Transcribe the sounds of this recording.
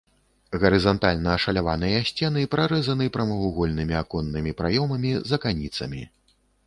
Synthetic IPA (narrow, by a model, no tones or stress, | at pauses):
ɣɐɾɨzant̪alʲnɐːʂɐlʲavanɨjɐːsʲt͡sʲɛnɨpɾaɾɛzɐnɨpɾɐmɐɣuɣɔlʲnɨmʲiakɔnːɨmʲipɾajɔmɐmʲizɐkanʲit̪sɐ̰mʲḭ